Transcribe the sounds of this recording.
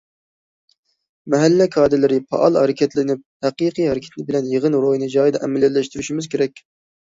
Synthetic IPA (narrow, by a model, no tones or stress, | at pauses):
mɛɦælːɛkʰɑːd̪ɪlɪɾɪpʰɑ̰ʔɑlˠhɛɾɪkʲʰɛt̪lɪnɪp̚hæqɨqʰɨjɦɛɾɪkʲʰɛ̥t̪lɪbɪlɛnjeʁɨnɾojnɨd͡ʒɑːjd̪ɛʔɛmɛlːɛllːɛʃt̪yɾyʃimɪzkʲʰeɾɛkʲ